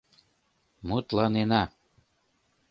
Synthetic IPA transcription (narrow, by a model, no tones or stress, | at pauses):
mut̪lɑnenɑ